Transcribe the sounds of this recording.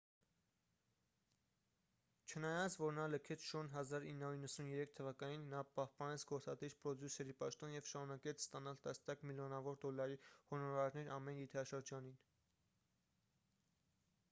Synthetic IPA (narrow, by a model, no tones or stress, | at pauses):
t͡ʃʰənɑjɑt͡sʰvɔɾnɑləkʰɛt͡sʰʃuɾnɦɑzɑɾinːɑuinːəsunjɛɾɛk̚ʰt̪ʰəvɑkɑninːɑpɑhpɑnɛt͡sʰɡɔɾt͡sɑd̪iɾpɾɔd̪jusɛɾipɑʃt̪ɔnjɛvʃɑɾunɑkɛt͡sʰst̪ɑnɑlt̪ɑsnjɑkmiljɔnɑvɔɾd̪ɔlːɑɾihɔnɔɾɑɾnɛɾɑmɛnjit̪ʰɾɑʃəɾd͡ʒɑnin